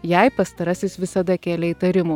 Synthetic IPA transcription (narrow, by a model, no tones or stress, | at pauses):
jɛɪpɐst̪ɐɾɐsʲɪsʋʲɪsɐd̪ɐkʲæːlʲɛit̪ɐɾʲɪmuː